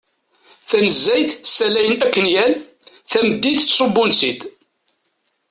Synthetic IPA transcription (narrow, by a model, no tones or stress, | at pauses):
θænəzːæjt̪sːælæjənækːənjæl | θæməd̪ːit̪ːsˤobːʊnsid̪